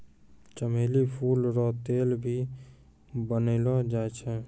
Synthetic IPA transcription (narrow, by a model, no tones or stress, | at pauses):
t͡ʃəmelipʰulɾɔt̪elbʱi | bənəɪlɔd͡ʒaet͡ʃʰɛ